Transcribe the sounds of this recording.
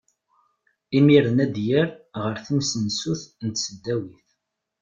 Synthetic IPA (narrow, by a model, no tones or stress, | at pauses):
imiɾənæd̪jəɾʁəɾθəmsənsuθnət̪səd̪ːæwiθ